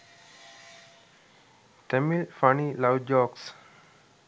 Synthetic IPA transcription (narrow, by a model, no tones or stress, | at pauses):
ʈemilfanilaʊɖd͡ʒɔːks